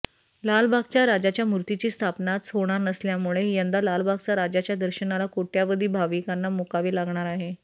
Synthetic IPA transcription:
lalbʱaɡ̚t͡ɕjaɾad͡ʑat͡ɕjamuɾt̪it͡ɕiːst̪ʰapnat̪sɦoɽ̃aɾnəsljamuɭejənd̪alalbʱaɡ̚t͡ɕaɾad͡ʑat͡ɕjad̪əɾɕənalakoʈjaʋəd̪ʱiːbʱaʋikanːamukaʋiːlaɡɳ̃aɾaɦe

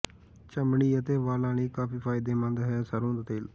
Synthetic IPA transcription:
t͡ʃəmɳiːət̪eːʋaːlãːniːkaːpiːpʰaːɪd̪eːmə̃nd̪ɦɛːsəɾõːd̪at̪eːl

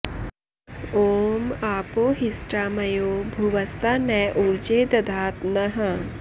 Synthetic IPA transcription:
oːmaːpoːɦisʈɾaːmɐjoːbʱuʋɐst̪ʰanɛjʔuɾd͡ʒeːd̪ɐd̪ʱaːt̪nɐɦɐ

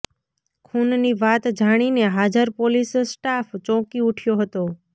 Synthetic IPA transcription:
kʰunniʋat̪d͡ʒʱaɽ̃ineɦad͡ʒəɾpolissʈaft͡ʃɔ̃kiuʈʰjoɦət̪o

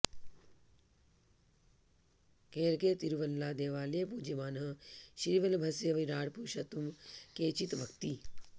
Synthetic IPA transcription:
keːɾkeːt̪iɾʋəlːaːd̪eːʋaːlepuːd͡ʒemaːnɦəʃɾiʋɐlbʱɐsjeʋiɾaːɽpuːʃɐt̪umkeːt͡ʃit̪ʋʱɐkt̪i

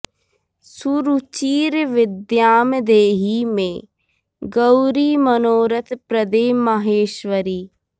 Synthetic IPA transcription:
suɾut͡ʃiːɾʋɪd̪jaːmd̪eːɦimẽː | ɡəwɾimənoːɾət̪pɾəd̪eːməɦeːʃʋəɾiː

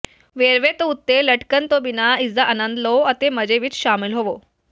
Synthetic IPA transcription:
ʋeɾʋet̪out̪ːeləʈkənt̪obinaid͡zaʔənənd̪loət̪eməd͡ʑeʋiːt͡sɕamilɦoʋo

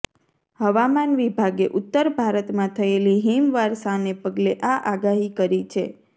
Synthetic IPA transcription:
həʋamanʋibʱaɡeʔut̪ːəɾbʱaɾət̪mãt̪ʰəeliɦimʋaɾsanepəɡleʔaʔaɡaɦikəɾit͡ʃʰe

